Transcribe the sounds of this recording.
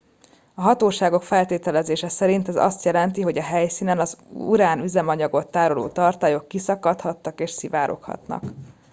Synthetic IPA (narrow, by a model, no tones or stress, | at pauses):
ɒɦɒt̪oːʃaːɡo̞kfɛlt̪eːt̪ɛlɛzeːʃɛsɛɾint̪ɛzɒ̰st̪jɛlɛnt̪iɦo̞ɟɒɦɛjsiːnɛnɒzṵɾaːnyzɛmɒɲɒɡo̞t̪ːaːɾo̞lo̰ːt̪ɒrt̪aːjo̞kːisɒkɒt̪hɒt̪ːɒkeːʃsivaːɾʔo̞̰khɒ̰t̪nɒ̰k